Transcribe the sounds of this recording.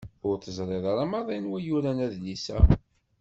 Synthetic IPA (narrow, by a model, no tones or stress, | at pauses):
ʊɾθəzˤɾˤeðˤɑɾˤɑmɑðˤenwæjuɾænæðlisæ̰